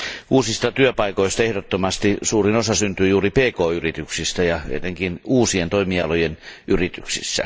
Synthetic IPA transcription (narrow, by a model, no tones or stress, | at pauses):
uːsist̪ɑt̪yøpɑikoist̪ɑehɾot̪ːomɑst̪isuːrinosɑsynt̪yːjuːripeːkoːyrit̪yksist̪æjɑḛet̪eŋkinuːsient̪oimiɑlojenʔyrit̪y̰ksḭsːæ̰